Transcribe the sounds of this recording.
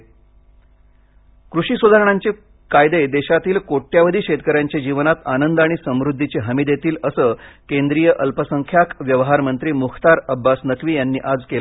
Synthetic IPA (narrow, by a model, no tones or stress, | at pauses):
kɾuɕiːsʋəd̪ʱaɾəɳ̃aɲt͡ɕe | kajd̪ed̪eɕat̪iːlkoʈːjaʋəd̪ʱiːɕet̪kəɾjaɲt͡ɕed͡ʑiʋnat̪anənd̪aɽ̃isəmɾud̪ʱːit͡ɕeɦəmiːd̪jet̪iːləsəːkend̪ɾijəʔəlpəsəŋkʰjakʋjəʋɦaɾmənt̪ɾiːmuxt̪aɾəbːasnəkʋiːjanːiːʔad͡zkel